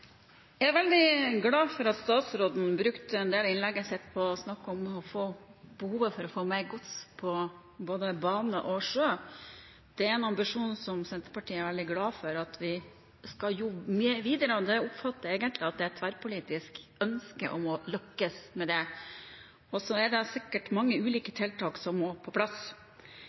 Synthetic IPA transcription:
jææɾʋɛld̪ɪɡlɑːfɔɾɑt̪st̪ɑːt̪sɾoːd̪n̩bɾʉkt̪əɛnd̪eːlɪnlɛɡːəsɛt̪ːpʰɔsnɑkːɔmɔfoːb̥əhuːʋəfɔɾɔfoːmeɾɡʊt̪spʰɔ | boːd̪əbɑːnəʔɔʂøː | d̪̥ɛæɾɛnɑmbɪʂuːnsɔmsɛnt̪əɾpɑʈʰiːəæɾʋɛld̪ɪɡlɑːfɔɾɑt̪ʰʋɪ | skɑljʊmyːəʋiːd̪əɾəɔd̪ɛʊpfɑt̪ːəɾeːɡənt̪lɪɑt̪̚d̪ɛæt̪ʰʋæɾpʊliːt̪ɪskœnskə̰ʔɔmɔlœkːəsmɛd̪ɛ | ɔsɔɛɖɛsɪkːəʈmɑŋːəʉːliːkət̪ʰɪlt̪ʰɑːksɔmːoːpʰɔpʰlɑs

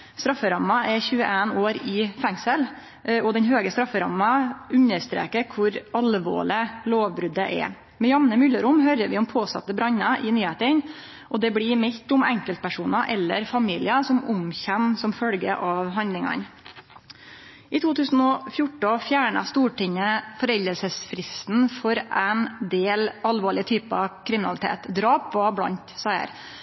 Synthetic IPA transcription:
st̪ɾɑfːəɾɑmːɑʔɛçʉːəʔeːnoːɾɪfɛŋsəl | ɔd̪ɛɲɦøːɡəst̪ɾɑfːəɾɑ̰mːɑʉɲəɾst̪ɾḛːkəɾkʰʋʊɾɑlʋo̰ːɭɪloːʋbɾʉd̪əʔɛ̰ | mɛjɑmnəmʏləɾʊmɦøɾəʋɪɔmpʰoːsɑ̰t̪ːəbɾɑɲɑʔɪnyːheːt̪ən | ʔɔd̪ɛblimɛt̪ʊmɛŋkəlt̪̚pʰæʂuːnɑʔɛlːə̰ɾfɑmiːlɪɑsɔmʊmçɛmsɔmfœlɡə̰ʔɑʋɦɑnd̪lɪŋɑ̰n | ʔɪt̪ʰuːt̪ʰʉːsn̩ɔfjʊʈɔfjæːɳɑ̰st̪uːʈɪŋːəfɔɾɛld̪əlsəsfɾɪst̪n̩fɔɾʔæɪnd̪eːlɑlʋoːɭɪət̪ʰyːpəɑʋkʰɾɪmɪnɑlɪt̪ʰḛːt̪d̪ɾɑːpʋɑblɑ̰nt̪sɑə̰ɾ

